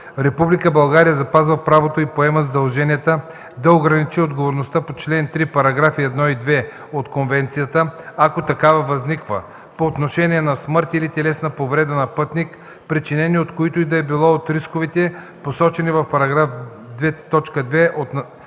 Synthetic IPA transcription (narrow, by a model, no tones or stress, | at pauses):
ɾɛpublikəbɐlˠɡaɾijəzɐpazvɐpɾavot̪oipoɛmɐzd̪ɐlˠʒɛniɛt̪ə | d̪ɐoɡɾɐnit͡ʃiod̪ɡovoɾnost̪apot͡ʃlɛnt̪ɾipɐɾɐɡɾafiɛd̪nɔid̪vɛ | ot̪konvɛnt̪sijət̪əakot̪ɐkavɐvɐznikvə̰ | poːt̪noʃɛnʲiɛnɐsmɤɾt̪ilit̪ɛlɛsnɐpovɾɛd̪ənɐpɤt̪nik | pɾit͡ʃinɛniot̪koit̪oʊid̪ɐɛbilˠɔot̪ɾiskovit̪ɛ | posɔt͡ʃɛnivɐfpɐɾɐɡɾaf | d̪vɛt̪ɔt͡ʃkəd̪vɛʔot̪n